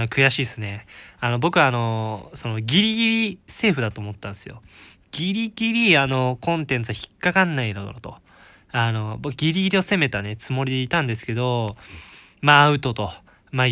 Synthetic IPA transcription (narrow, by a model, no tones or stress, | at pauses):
nokɯ̟jaɕiːsɨne̞ano̞bo̞kɯ̟aːno̞so̞no̞ɡʲiɾʲiɡʲiɾʲise̞ːɸɯ̟d̪at̪oːmo̞t̪ːãnd̪esɨjo̞̰ | ɡ̥ʲiɾʲiɡʲiɾʲiano̞kõ̞nt̪ẽ̞nt͡sɨaçi̥kːakãnːaiɾod̪oɾot̪o̞̰ | ano̞bokɯɡʲiɾʲiɡʲiɾʲio̞se̞me̞t̪anet͡sɨmo̞ɾʲid̪eit̪ãnd̪e̞sɨ̥ke̞d̪o̞ | maːɯ̟t̪o̞t̪o̞ | ma